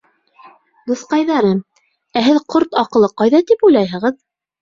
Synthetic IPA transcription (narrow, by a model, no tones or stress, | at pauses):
d̪uθqɑjðɑɾɤm | æɦɘðqʰoɾt̪ɑqɤ̆lˠɤqɑjðɑt̪ipujlˠɑjɦɤ̆ʁɤð